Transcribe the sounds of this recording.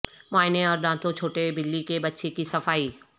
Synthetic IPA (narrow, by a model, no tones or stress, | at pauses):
maːɪneɔːɾɗ̪ãːt̪ʰot͡ɕʰoːʈebɪlːikebɐtːʃekisɐfaːiː